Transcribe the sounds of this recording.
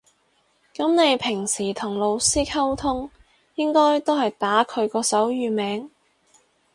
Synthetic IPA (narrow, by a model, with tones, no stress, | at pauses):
kɐ˨˥mne˨˧jpʰɪ˨˩ŋsiː˨˩t̪ʰʊ˨˩ŋlo˨˧wsiː˥kʰɐ˥wt̪ʰʊ˥ŋ | jɪ˥ŋkɔː˥jt̪o˥whɐ˨jt̪aː˨˥kʰɵ˨˧ɥkɔː˧sɐ˨˥wjyː˨˧mɛː˨˧ŋ